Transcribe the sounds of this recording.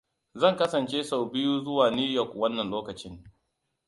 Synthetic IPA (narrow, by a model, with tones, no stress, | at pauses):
zɐ˦˨ŋkɐ˦sɐ˨nt͡ʃeː˦sa˨wbɪ˦juː˦zʊ˦waː˨niː˦jɔ˨kwɐ˦nːɐ˨nloː˦kɐ˨t͡ʃɪ˦ŋ